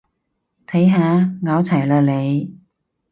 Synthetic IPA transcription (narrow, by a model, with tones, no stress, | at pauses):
t̪ʰɐ˨˥jɦaː˨˧ŋaː˨˧˥wt͡sʰɐ˨˩jlœː˨˧k̚le˨˧j